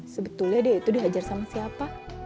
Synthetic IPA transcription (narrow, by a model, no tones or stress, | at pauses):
səbət̪ulɲadiait̪udiɦad͡ʒarsamasiapa